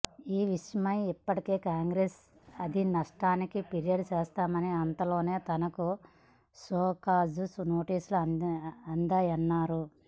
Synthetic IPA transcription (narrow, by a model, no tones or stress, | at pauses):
iːʋiʂjɐmɐjipːɐʈike̞ːkaːŋɡɾeːs | ɐd̪inɐʂʈaːnikipeɾijɐɖut͡ʃeːst̪aːmɐniɐnt̪ɐlo̞ːne̞ːt̪ɐnɐku | soːkaːzusno̞ːʈiːsuluɐnd̪aːjɐnːaːɾu